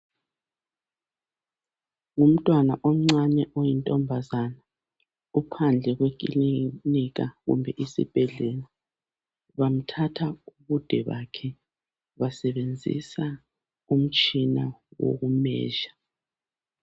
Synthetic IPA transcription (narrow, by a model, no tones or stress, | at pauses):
ŋum̩tʼwanaʔom̩ŋ͡ǀanɛʔojintʼɔmbʱazana | upʰand͡ɮʱɛɣwekʼiliniɣaɣṵmbʱɛʔisḭb̥ʱɛɮɛla | βam̩tʰatʰauβud̥ʱɛβa̰kʰɛ | βasɛβend͡zʱḭsa | um̩t͡ʃʼinawo̰ɣumɛ̰ːʒa